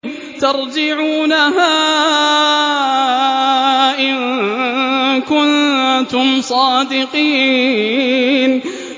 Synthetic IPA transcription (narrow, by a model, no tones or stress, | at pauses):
t̪ɑɾˤd͡ʒɪʕuːnaɦaː | ʔɪn | kʊnt̪ʊmsˤɑːd̪ɪqiː | n